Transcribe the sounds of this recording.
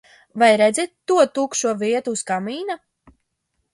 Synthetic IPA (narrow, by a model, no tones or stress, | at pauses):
vajɾɛd̪zɛt̪ːuɔt̪ukʃuɔviɛt̪uːskamiːna